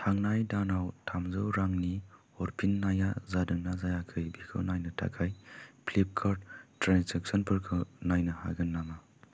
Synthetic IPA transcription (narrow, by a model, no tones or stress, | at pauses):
tʰaŋnajdanawtʰamzɯwɾaŋni | ɔɾpʰinːajazadɯŋnazajakʰɯjbikʰɯ̰wnajnɯtʰa̰kʰajplep̚kʰaɾdtɾansek̚sɔnpʰɯɾkʰɯnajnɯha̰ɡɯnːama